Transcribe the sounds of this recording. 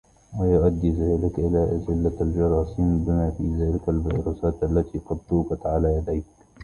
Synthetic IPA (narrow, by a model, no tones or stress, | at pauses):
wajʊʔad̪ːiːðaːlɪkʔɪlaːʔad͡ʒɪlːald͡ʒɑɾˤɑːsiːmbɪmaːfiːðaːlɪkalbɑ̰ːɾˤɑsaːt̪ʔalːat̪iːqɑd̪t̪uːbat̪ʕalaːjad̪ajk